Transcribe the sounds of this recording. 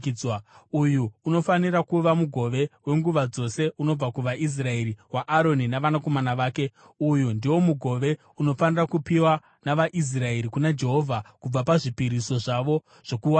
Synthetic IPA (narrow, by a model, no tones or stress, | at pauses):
waujuːno̞faniɾakuʋamuɡʱo̞ʋe̞we̞ŋɡuʋad͡zo̞se̞uno̞b͡vakuʋaʔis̬rae̞ɾiwaʔaɾo̞ninaʋanako̞manaʋaːke̞ | ujundiwo̞muɡʱo̞ʋe̞ | uno̞fanirakupiwa | naʋaʔis̬rae̞ɾikunad͡ʒe̞ɦo̞vʱakub͡vapaʐipiɾiso̞ʐaʋo̞ | ʐ̥o̞kuwa